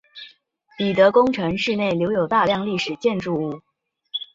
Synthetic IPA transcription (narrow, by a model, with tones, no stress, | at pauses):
pi˨˩t̪ɤ˧˥kʊ˥ŋʈ͡ʂʰɤ˧˥ŋʂɻ̩˥˧ne˥˩ɪljo˧˥ʊjo˨˩ʊt̪a˥˧ljɑ˥˧ŋli˥˩ʂɻ̩˨˩t͡ɕjɛ˥˧nʈ͡ʂu˥˧u˥˩